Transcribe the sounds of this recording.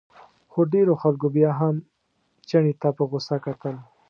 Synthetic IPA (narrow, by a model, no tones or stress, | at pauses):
xoɖeɾoxalkobjaɦam | t͡ʃaɳit̪apəɣʊsakat̪əl